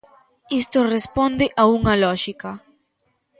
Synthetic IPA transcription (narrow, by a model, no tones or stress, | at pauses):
ist̪orespond̪ɪʔauŋɐlɔʃika